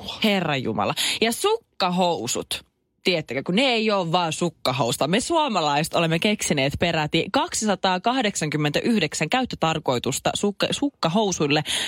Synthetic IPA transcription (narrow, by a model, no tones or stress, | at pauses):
herːɑjjṵmɑ̰lɑjɑsukːɑɦousṵt̪ | t̪iet̪ːekøkuneeioːʋʋɑːnsukːɑɦoust̪ɑmesuɑmɑlɑist̪olemːekeksineːt̪peɾæt̪ikɑksisɑt̪ɑːkɑhdeksɑŋkymːent̪æʔyhdeksæŋkæyt̪ːøt̪ɑrko̞it̪ust̪ɑ̰sukːɑsukːɑɦousujlːe